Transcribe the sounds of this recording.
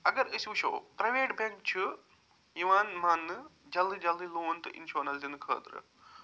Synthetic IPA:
ɐɡɐɾɨsiʋʃo̰ːpɾɐʋeːʈbɐŋk̚t͡ʃʰɨ | jiʋaːnmaːnːɨd͡ʒɐlːid͡ʒɐlːiloːnt̪ɨʔḭnʃoːnɐlzinɨkʰə̰ːd̪ɾɨ̰

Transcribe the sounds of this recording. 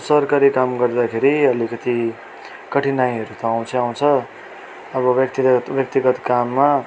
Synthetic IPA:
sʌrkaɾikamɡʌrd̪akʰeɾiʌlikʌt̪i | kʌʈʰinaj̃ʌɾut̪ʌaw̃t͡sʰʌaw̃t͡sʰʌ | ʌbʌbjʌkt̪ibjʌk̚t̪iɡʌt̪kamːa

